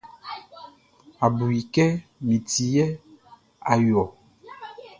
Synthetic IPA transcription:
a˨bu˨ji˨kɛ˦mĩ˨ti˨jɛ˦ | a˨jɔ˨

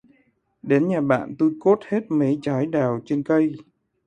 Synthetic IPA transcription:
ɗe˨˦nɲaː˨˩ɓa̰ː˧˨nt̪o˧jko˦˥t̚he˦˥t̚mi˨˦jt͡ɕaː˨˦jɗaː˨˩wt͡ɕe˧nkə˧j

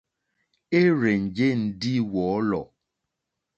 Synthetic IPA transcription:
e˦ɾe˨n̩˨d͡ʒe˦n̩˨di˦wɔ˨˦lɔ̰˨

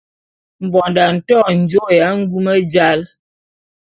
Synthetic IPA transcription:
m̩˨bɔ˨nda˨n̩˨tɔ˦˨n̩˨d͡ʒo˦ja˨˦ŋ̩˦ɡu˦mə˦d͡ʒa˦l

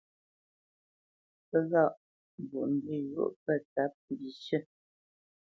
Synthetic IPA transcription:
pə˦ɣa˦˨ʔ | bu˨ʔm̩˦bi˦jṵ˨˦˨ʔpə˦˨ta˦p̚m˨bi˨ʃə˦

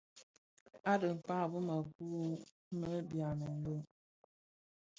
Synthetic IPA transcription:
a˦də˨m̩˨pa˦˨bu˦mə˨ɡu˦ | mə˦bja˨nə˨n̩˦bo˦

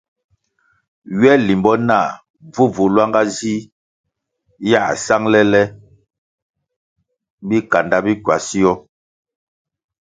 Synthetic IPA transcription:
ɥɛ˦li˨mbɔ˦na˦˨ | vu˦vu˨lwa˦ŋɡa˦zi˦ | ja˦˨sa˦ŋlɛ˦lɛ˦ | bi˦ka˨nda˦bi˦kwa˨si˦jɔ˦

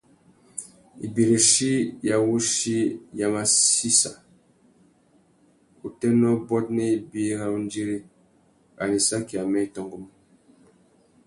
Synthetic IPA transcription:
ḭ˨bi˨ɾe˨ʃi˦ja˨wu˦ʃi˦ja˨ma˦si˦sa˨ | u˨tɛ˦nɔ˦bɔ˦t̚nɛ˦i˨bi˦ɾa˦u˦n˦d͡ʒi˦ɾi˦ | a̰˨li˨sa˦ki˨a˨mɛ˦i˨tɔ˨ŋɡu˦m˦

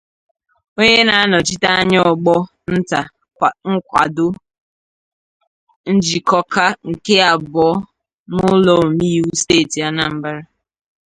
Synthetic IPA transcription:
o˦ɲe˦na˦a˦nɔ˨t͡ʃi˦ta˦a˦ɲ˦ɔ˦˨ɡ͡bɔ˦ | n̩˦ta˨ | ŋ̩˦kʷa̰˨dʊ˦ | n̩˦d͡ʒi˨kɔ˦ka˦ŋ̩˨ke˦a˨bɔ˨˦ | nʊ˦lɔ˦˨o˨mi˦ju˦steː˦˨ti˨a˦na˨m̩˦bɪ˦ɾɪ˦

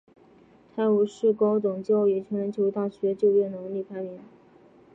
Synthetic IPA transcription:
t̪ʰa˥˩ɪu˨˩ʂɻ̩˥˩ko˥ʊt͡sʊ˨˩ŋt͡ɕjo˥˩ʊi˨˩t͡ɕʰɛ˧˥ɻə˧˥nt͡ɕʰo˧˥ʊt̪a˥˩ɕɥɛ˧˥t͡ɕjo˥˧ʊjɛ˥˩nɤ˧˥ŋli˥˩pʰa˥mi˧˥˦n

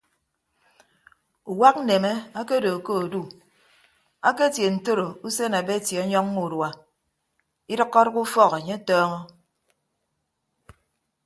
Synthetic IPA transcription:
u˨wa˦k̚n̩˦ne˨me˦a˦ke˦do˨ko˦o˨du˦ | a˦ke˦tje˨n̩˨to˦ɾo˨u˦se˦na˨be˦˨tje˨ɔ˦ɲɔ˦ŋ˦mu˨dwa˨ | i˦ɾɔ˦kːɔ˦ɾku˦fɔ˦ɣe˨ɲe˦tɔː˦ŋɔ˦

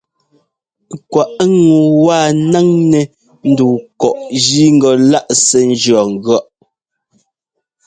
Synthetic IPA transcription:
kwa˨ʔŋu˨wa˦˨na˦ŋnɛ˨ | n̩˦du˨kɔ˨ʔd͡ʒi˦ŋ̩˦ɡɔ˨la˦ʔsɛ˨n̩˦d͡ʒɰɔ˨ŋ̩˨ɡɥɔ˦ʔ

